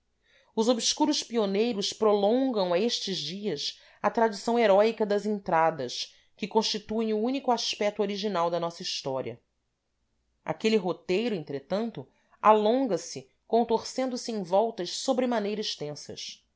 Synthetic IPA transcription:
ʊzobskuɾʊʃpionejɾʊspɾolõŋɡɐ̃w̃ɐeʃt͡ʃɪʒd͡ʒiɐs | ɐt̪ɾad͡ʒisɐ̃w̃eɾɔikɐd̪ɐzẽnt̪ɾad̪ɐs | kɪkõʃt͡ʃit̪uẽj̃uunikʊaʃpɛk̚t̪uoɾiʒinawd̪ɐnɔsɐiʃt̪ɔɾḭɐ̰ | a̰keliɦot̪ejɾʊẽnt̪ɾet̪ɐ̃nt̪ʊ | a̰lõŋɡɐsɪ | kõnt̪oɾsẽnd̪ʊsɪẽj̃vɔwt̪ɐʃsobɾɪmanejɾɐiʃt̪ẽsɐ̰s

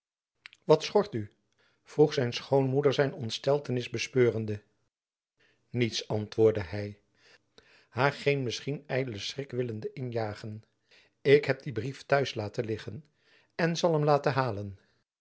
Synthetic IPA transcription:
ʋɑtsχɔɹty | v̥ruχsɛjnsχownmudəɹzɛjnɔntstɛlˠtənɪzbəspøːrəndə | nitsɑntʋʊːɹdəɦɛj | haːɹχejnmɪsχinɛjdələsrɪkʋɪləndəʔɪnjaːχən | ɪkɦɛp̚dibriftœɥslaːtəlɪχən | ɛnzɑlˠɦɛmlaːtəɦaːlən

